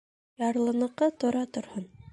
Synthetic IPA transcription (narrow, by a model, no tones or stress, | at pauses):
jɑɾlˠɤ̆nɤ̆qːɤt̪ŏɾɑt̪ŏɾhɤn